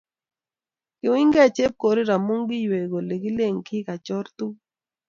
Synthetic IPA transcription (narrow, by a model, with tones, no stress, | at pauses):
kɪ˨wɪ˦ŋɡɛ˦˨t͡ʃe˦p̚ko˨ɾi˦ɾa˨mu˦ŋɡi˦jwe˨ɡo˨le˨ɡi˦le˦˨ŋkʰɪ˦ka˨t͡ʃɔ˦ɾt̪u˦